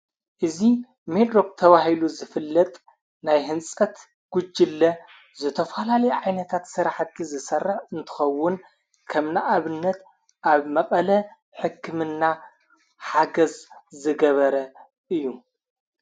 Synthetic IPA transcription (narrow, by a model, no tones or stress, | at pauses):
ʔɨzi | med̪ɾo̞k̚t̪ʰɐβahiluzɨfɨlːɐt̪ʼ | najɦɨnt͡sʼɐt̪ | ɡ̥ud͡ʒːɪlːɐ | zɨt̪ʰɐfɐlalɐjɛʕajnɐt̪ʰat̪sɨɾaħt̪ʰizɨsɐrːɨħɨnt̪ʰɨ̥xɐwːʊn | kʰɐmnaʔaβɨnːɐt̪ | ʔaβmɐχʼɐlɐ | ħɨkʰːɨmɨnːa | ħaɡɐzzɨɡɐβɐɾɐ | ʔɨjːu